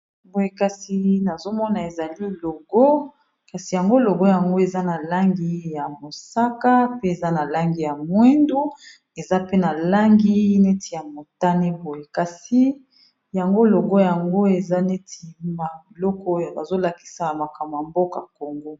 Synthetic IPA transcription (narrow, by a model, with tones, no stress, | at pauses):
bo˨je˨ka˨si˨na˨zo˦mɔ˦na˨e˨za˨li˦lo˨ɡɔ˦ | ka˨si˨ja˨ŋɡo˦lo˨ɡɔ˦ja˨ŋɡo˦e˨za˦na˨la˦ŋɡi˦ja˨mo˨sa˦ka˦pe˦e˨za˦na˨la˦ŋɡi˨ja˨mwe˦ndu˦ | e˨za˦pe˦na˨la˦ŋɡi˦ne˦tʰi˨ja˨mo˨ta˦ne˦bo˨je˨ka˨si˨ | ja˨ŋɡo˦lo˨ɡo˦ja˨ŋɡo˦e˨za˦ne˦ti˨ma˦bi˨lɔ˦kɔ˦jba˨zo˦la˨ki̥˦sa˨a˨ma˨ka˨m˨a˨mbo˦ka˨ko˨ŋɡo˦